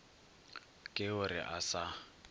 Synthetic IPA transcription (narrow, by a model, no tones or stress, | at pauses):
kʼɪʊrɪ̰ʔasa